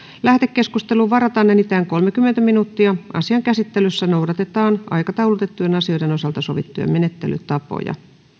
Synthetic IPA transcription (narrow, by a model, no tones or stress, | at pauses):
læht̪ekːeskust̪eluʋʋɑɾɑt̪ɑnːenit̪æːŋko̞lmekymːent̪æminut̪ːiɑɑ̰siɑŋkæsit̪ːelysːænowɾɑt̪et̪ɑːnɑ̰jkɑt̪ɑwlut̪et̪ːujenɑsio̞jdeno̞sɑlt̪ɑso̞ʋit̪ːujɑ̰mene̞t̪ːely̰t̪ɑpo̰jɑ̰